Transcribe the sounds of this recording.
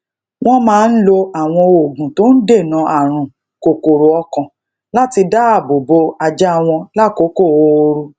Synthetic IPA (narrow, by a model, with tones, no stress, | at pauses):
w̃ɔ̃˦mãː˨˦n̩˦lo˧a˨w̃ɔ̃˧o˨ɡũ˨to˦n̩˦de˦˨nã˨˦ʔa˦˨ɾ̃ũ˨ | ko˨ko˨ɾo˨ɔ˧kɔ̃˨ | la˦ti˧da˦a˦˨bo˨bo˧a˧d͡ʒa˦˧w̃ɔ̃˧la˦ko˨˦ko˦˨o˧ɾu˧